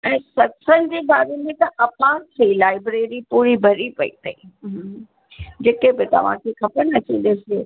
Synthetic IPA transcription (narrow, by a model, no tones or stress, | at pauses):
ɛ̃ːsɐtsən̆d͡ʑeːbaːɾemẽt̪ɐʔɐpãt̪ʰɐilaːɪbɾeːɾipuːɾibʱɐɾipɐḭt̪ɐiɦ | d͡ʑeːkebɪt̪ɐ̰ʋ̤ã̰kʰekɐpənɐt͡ɕĩːnd̪ese